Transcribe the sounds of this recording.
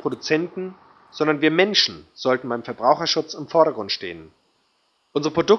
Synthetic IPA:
pʁ̥odut͡sɛntn̩ | z̥ɔndɐnviːɐmɛnʃn̩z̥ɔltn̩baɪmfɛɐbʁaʊxɐʃʊt͡sɪmfɔɐɾɐɡʁʊntʃtḛːən | ʔʊnzəʁəpʁ̥odʊk

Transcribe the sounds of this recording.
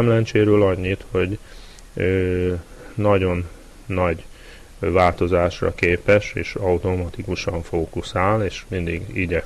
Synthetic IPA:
mlɛɲt͡ʃeːɾøːlɒɲːit̪ho̞ɟ | øː | nɒɟo̞nː | ɒɟ | vaːlt̪o̞zaːʃrɒ̰keːpɛʃeːʃɒut̪o̞mɒt̪ikuʃɒɱfoːkusaːleːʃmind̪iɡiɟɛ

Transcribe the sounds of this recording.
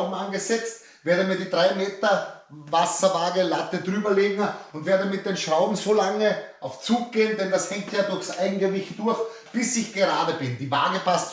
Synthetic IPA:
bm̩anɡəzɛt͡st | veːɐɾəmiːɐdiːdʁaɪmeːtɐvasɐvaːɡəlatədʁyːbɐleːɡŋ̩ʊntv̥eːɐdəmɪt̚d̥eːnʃʁaʊbm̩zolaŋəaʊft͡suːk̚ɡ̥eːəndɛndashɛŋk̚tjaːdʊɐçsʔaɪɡŋ̩ɡəvɪçtd̥ʊɐx | b̥ɪsɪçɡ̥əʁaːdəbɪndiːvaːɡəpʰast

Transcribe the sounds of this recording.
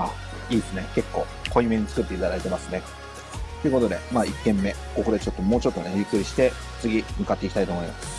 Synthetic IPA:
a | iːesɨne̞ke̞kːo̞̰ː | kʰo̞imẽ̞ɲ̟it͡sɨ̥kɯ̟t̪ːe̞it̪aɾaet̪e̞masɨne̞ | t̪o̞ɯ̟ko̞t̪o̞d̪e̞maːikːẽ̞mːe̞ | ko̞ko̞ɾet͡ɕo̞t̪ːo̞mo̞ːt͡ɕo̞t̪ːo̞ne̞jɯ̟kːɯ̟ɾʲiɕi̥t̪e̞ | t͡sɨɡʲimɯ̟kat̪ːe̞ikʲi̥t̪ait̪oːmo̞ima̰s

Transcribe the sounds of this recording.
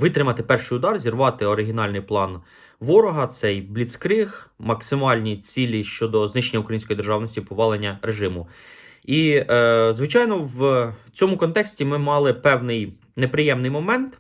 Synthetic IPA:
ʋɪt̪ɾɪmɐt̪ɪpɛrʃɪjʊd̪ɑrzʲirʋɑt̪ɪɔɾɪɦʲinɑlʲnɪjplˠɑn | ʋɔɾɔɦɐt̪sɛjblʲit̪skɾɪxmɐksɪmɑlʲnʲit͡sʲilʲiʃt͡ʃɔd̪ɔznɪʃenʲːɐukɾɐjinʲsʲkɔjid̪erʒɑwnɔsʲtʲipɔʋɑlˠenʲːɐɾeʒɪmʊ | i | zʋɪt͡ʃɑjnɔwt͡sʲɔmʊkɔnt̪ɛksʲtʲimɪmɑlˠɪpɛwnɪj | nepɾɪjɛmnɪjmɔmɛnt̪

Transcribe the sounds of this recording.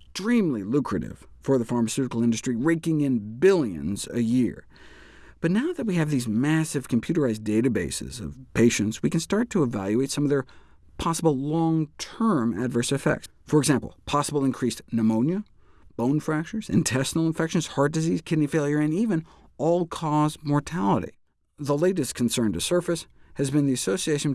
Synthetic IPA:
tɹ̥ĩmlilukʰɹɨ̰ɾɪ̰v̥fə˞ðəfɑɹmɨsʉɾəkl̩ˠɪ̃ndɨstɹ̥iɹeɪkɪ̃ŋɪ̃nbɪlˠjɨ̰̃nzɨ̰jɪɹ | b̥ʌtⁿnaʊðɨt̚wiɨvðizmæsɨv̥kʰm̩pʰjʉɾə˞aɪzdeɪɾɨbeɪsɨ̰zʌ̰v̥pʰeɪʃɨ̃ntswikɨ̃n̩stɑɹtʰɨːvæ̰lˠjʉeɪtsʌ̃mʌðə˞ | pʰɑsəbl̩ˠlɔ̃ŋtʰɜ̃˞mɨ̰dvɜ˞sɨfɛ̰k̚ts | fə˞ɨɡzæ̃mpl̩ˠpʰɑsəbl̩ˠɨ̃nkʰɹ̥isnəmõʊ̃njɨ | b̥õʊ̃nfɹæk̚t͡ʃə˞z̥ɨ̰̃ntʰɛsnl̩ˠə̃ɱfɛkʃɨ̃nz̥hɑɹt̚d̥ɨziz̥kʰɪdⁿnifeɪlˠjə˞ɨ̃nivɨ̃n | ʔɔlˠkʰɔzmɔɹtʰælˠə̰ɾḭ | ðəleɪɾɨskʰn̩sɜ̃˞ntɨsɜ˞fɨshɨzbɨ̃nðiɨsoʊsieɪʃɨ̃n̩

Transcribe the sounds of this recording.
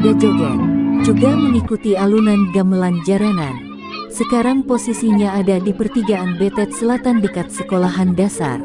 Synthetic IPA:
dad͡ʒad͡ʒand͡ʒuɡaməŋikut̪ialunanɡamland͡ʒaɾanan | səkaɾaŋposisiɲaːdadipərt̪iɡaːnbɛt̪ɛt̪̚səlat̪andəkat̪̚səkolaɦandasa̰r

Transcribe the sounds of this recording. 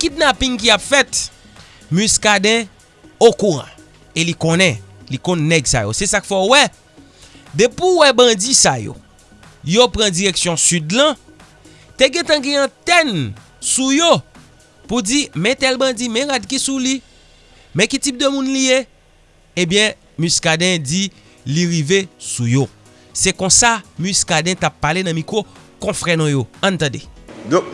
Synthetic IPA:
kit̚napĩŋk̬iapfɛt̪ | myskadɛ̃ | okuʁã̰ | elikõnɛ̃likɔ̃nːɛɡsa̰jo̰sɛsakfɛowɛ | d̪epuwɛbɐ̃d͡zisa̰jo̰ | jopɣãd͡ziʁeksjɔ̃sydlɐ̃ | t̪eɡɛ̃t̪ãɡɛ̃ãt̪ɛn | sujo | pud͡zimɛ̃t̪ɛlbɐ̃d͡zimɛ̃ɣad̚kisuli | mɛ̃kitip̚d̪əmũnlije | ẽbjɛ̃ | myskadɛ̃d͡zi | liɣivesujo | sɛkɔ̃samyskadɛ̃tapːalenɐ̃mĩkʁokɔ̃fʁɛnɔ̃joɐ̃nt̪ãdḛd

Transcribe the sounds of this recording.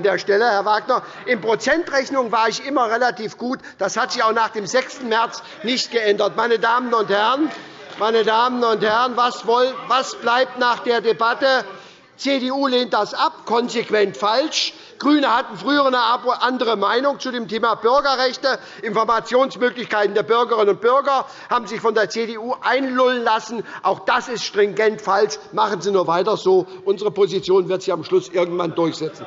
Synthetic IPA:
ndeːɐʃtɛləhɛɐvaːɡnɐ | ʔɪnpʁ̥ot͡sɛntʁɛçnʊŋvaːɪçʔɪmɐʁelatʰiːfɡ̥uːtd̥ashatz̥ɪçaʊxnaːχd̥eːmzɛkstn̩mɛɐt͡s | nɪçtɡ̥əʔɛndɐt̚maɪnədaːmənʊnthɛʁən | maɪnədaːmən̩ʊnthɛʁənvasvɔlvasb̥laɪp̚tnaːχd̥eːɐdebatə | t͡seːdeːuːleːnt̚d̥asʔap̚kʰɔnzekv̥ɛntfalʃ | ɡ̥ʁyːnəhatn̩fʁ̥yːəʁənəapʊʔandəʁ̞əmaɪnʊŋt͡sudeːmtʰeːmabʏɐɡɐʁɛçtə | ʔɪnfɔɐmat͡sjoːnsmøːklɪçkaɪtn̩deːɐbʏɐɡəʁɪnənʊnt̚b̥ʏɐɡɐ | haːbm̩zɪçfɔndeːɐt͡sedeuːʔaɪnlʊlənlasn̩ʔaʊxd̥asɪstʃtʁ̥ɪŋɡɛntfalsmaχən̩ziːnuːɐvaɪtɐzoːʔʊnzəʁəpozit͡sjoːnvɪɐtz̥ɪçamʃlʊsʔɪɐɡŋ̩tv̥a̰ndʊɐçz̥ɛt͡sn̩

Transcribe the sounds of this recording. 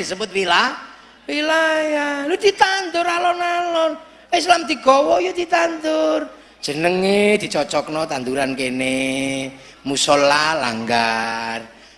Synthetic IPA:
isəbʊt̪̚wila | wilajalud̪̥i̤t̪and̪ʊɾalɔnalɔn | es̬lamd̪̥i̤ɡ̥ɔwɔjod̪̥it̪and̪ʊr | d̥ʒ̥ə̤nəŋed̪̥i̤t͡ʃɔt͡ʃɔknɔt̪ant̪uɾankene | musɔlːala̰ŋɡar

